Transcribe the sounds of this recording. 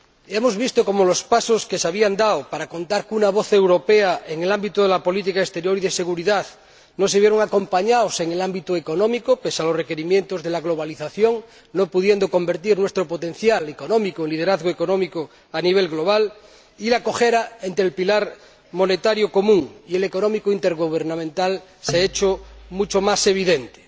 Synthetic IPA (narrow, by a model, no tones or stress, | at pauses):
emozβist̪oko̞molospasoskeseaβiand̪aopaɾako̞nt̪aɾkunaβ̞oθe̞wɾo̞peaeŋelambit̪oðelapo̞lit̪̬ikaest̪e̞ɾjoɾiðese̞ɣ̞uɾiðað | noseβjeɾoŋako̞mpaɲaoseŋelambit̪oekonõmikopesalosrekeɾimjent̪ozðelaɣloβ̞aliθaθjoŋ | nopuð̞je̞nd̪oko̞mbe̞ɾt̪iɾnwest̪ɾopot̪ẽ̞nθjaleko̞nõmikoeŋlið̞eɾaðɣoeko̞nõmiko | aniβ̞elɣlo̞β̞al | ilako̞xeɾae̞nt̪ɾelpilaɾ | mo̞net̪aɾjoko̞mũŋieleko̞nomikoint̪eɾɣuβ̞eɾnamẽnt̪alseet͡ʃomut͡ʃomase̞β̞iðent̪e̥